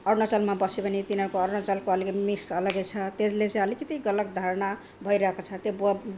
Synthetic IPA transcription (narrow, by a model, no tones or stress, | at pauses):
ʌɾnot͡sʌlmabʌsebʌnit̪inɦʌɾukoʌɾnot͡sʌlkoʌlɡemisʌlʌɡʌjt͡sʰʌt̪eslet͡sʌ̃ʌlikit̪iɡʌlʌt̪d̪ʱaɾna | bʱʌiɾʌɦekot͡sʰʌt̪eba